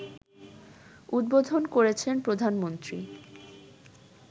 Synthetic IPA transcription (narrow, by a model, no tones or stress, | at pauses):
ud̪̚bod̪ʱonkoɾet͡ɕʰenpɾod̪ʱanmont̪ɾi